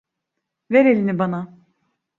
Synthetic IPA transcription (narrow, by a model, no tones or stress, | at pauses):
veɾelʲinibana